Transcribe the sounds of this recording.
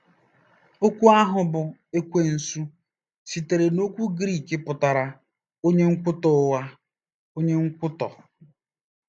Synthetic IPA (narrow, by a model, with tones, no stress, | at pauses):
o˦kʷu˦a˦ɦʊ˨bʊ˨e˦kʷe˨n̩˨su˦ | si˨te˨ɾe˨no˦kʷu˦ɡɾi˦˨ke˦pʊ˨ta˨ɾa˨ | o˦ɲe˦ŋ̩˦kʷʊ˦tɔ˨˦wa˦ | o˦ɲe˦ŋ̩˦kʷʊ˦tɔ̰˨